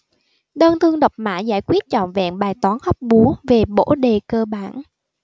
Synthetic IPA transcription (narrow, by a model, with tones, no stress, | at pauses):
ɗəː˧nt̪ʰɨ˧əŋɗə˨˩wk͡p̚ma̰ː˧˥za̰ː˧˩jkwi˦˥t̚t͡ɕɔ̰˧˨nvɛ̰˧˨nɓaː˨˩jt̪waː˨˦nhə˦˥wk͡p̚ɓu˨˦ve˨˩ɓo̰˧˥ɗe˨˩kəː˧ɓaː˧˩n